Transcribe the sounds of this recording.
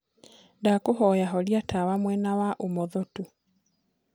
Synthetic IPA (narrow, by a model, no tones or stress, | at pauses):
ndakoɦɔjaɦɔɾiatʰawamwɛnawaʔomɔðɔto